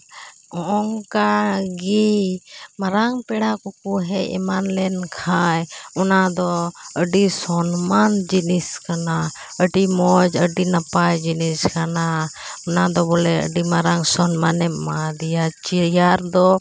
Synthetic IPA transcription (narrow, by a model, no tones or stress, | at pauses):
ɔɔŋkaɡi | maɾaŋpɛɽakukuɦɛɛ̰manlɛnkʰajɔnad̪ɔəɖisɔnmand͡ʒiniskana | əɖimɔd͡ʒəɖinapajd͡ʒiniskana | ɔnad̪ɔbɔlɛə̰ɖimaɾaŋsɔnmanɛmad̪ijat͡ʃijaɾd̪ɔ